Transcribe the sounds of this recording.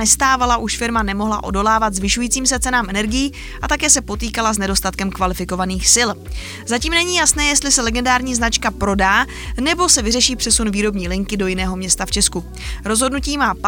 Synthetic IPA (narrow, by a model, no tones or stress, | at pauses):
ɛst̪aːvalaʔuʃfɪɾmanɛmo̞ɦla̰ʔo̞̰do̞laːvat̪zvɪʃujiːt͡siːmsɛt͡sɛnaːmɛnɛɾɡɪjiː | ʔat̪akɛːsɛpo̞t̪iːkalaznɛdo̞st̪at̪̚kɛmkvalɪfɪko̞vaniːxsɪl | zaciːmnɛɲiːjasnɛːjɛst̪lɪsɛlɛɡɛndaːɾɲiːznat͡ʃkapɾo̞daː | nɛbo̞sɛvɪrɛʃiːpr̥ɛsunviːɾo̞bɲiːlɪŋkɪdo̞jɪnɛːɦo̞mɲɛst̪aft͡ʃɛsku | ɾo̞zɦo̞dnuciːmaːp